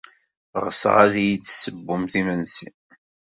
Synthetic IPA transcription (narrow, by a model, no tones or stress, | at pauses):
ʁəsʁa̰ðjit͡sːsəbːʊmθimənsḭ